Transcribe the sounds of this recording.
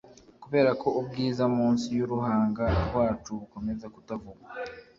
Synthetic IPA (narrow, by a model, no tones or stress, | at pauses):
kuβe̞ːɾako̞ubɡiːzamuːnsijuɾuɦaːŋɡaɾɡwaːt͡ʃuuko̞me̞zakutavuɡa